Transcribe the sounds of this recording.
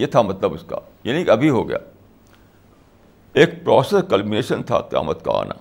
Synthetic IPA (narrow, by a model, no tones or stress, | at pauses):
jet̪ʰamɐt̪ləbʊska̰ | jaːnĩkɐbʱiɦoːɡɐ̰ja̰ː | eːk̚pɾɔːseskɐlmineːʃə̃nt̪ʰa̰qɪja̰ːmət̪ka̰a̰ːnʔa̰ː